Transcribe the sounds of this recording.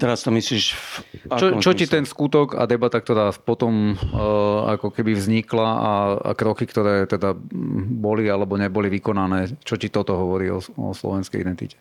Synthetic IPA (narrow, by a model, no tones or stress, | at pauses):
t̪ɛɾast̪ɔmisliːʃat͡ʃɔt͡ʃɔcit̪ɛnskut̪ɔɡa̰d̪ɛbat̪ak̚t̪ɔɾaːpɔt̪ɔm | a̰kɔkɛbivzɲiklaaa̰kɾɔkikt̪ɔɾɛːt̪ɛd̪abɔlialɛbɔɲɛbɔliʋikɔnanɛːt͡ʃɔcit̪ɔt̪ɔɦɔʋɔɾiːɔ̰ɔ̰slɔ̰ʋɛnskɛ̰jḭd̪ɛnt̪ḭcɛ̥